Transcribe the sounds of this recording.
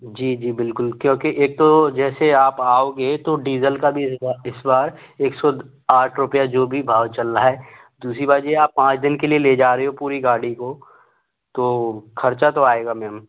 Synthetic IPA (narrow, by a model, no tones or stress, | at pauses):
d͡ʒiːd͡ʒiːbɪlkʊlkjõːkiʔeːk̚t̪od͡ʒɛːseaːpaːoːɡet̪oɖiːzəlkabʱisaɪsbaːɾeːksɔ | aːʈʰɾʊpjad͡ʒoːbʱibʱaːʋt͡ʃɐlːaɦɛː | d̪uːsɾibaːɾd͡ʒeaːpːãːt͡ʃd̪ɪnkelieled͡ʒaːɾɐɦeɦopuːɾiɡaːɽiko | t̪oːkʰɐɾt͡ʃat̪oaːeːɡamɛːəm